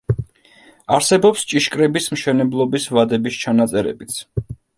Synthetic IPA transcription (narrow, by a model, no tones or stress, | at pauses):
aɾsɛbɔpst͡ʃʼiʃkʼɾɛbismʃɛnɛblˠɔbisvad̪ɛbist͡ʃʰanat̪sʼɛɾɛ̰bit̪sʰ